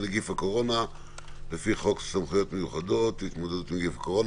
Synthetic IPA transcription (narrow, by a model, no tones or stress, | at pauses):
leɡifako̞ʁo̞na | lefiχo̞ksamχujo̞t̪mejuχad̪o̞t̪it̪mo̞d̪ed̪ut̪miɡifako̞ʁo̞n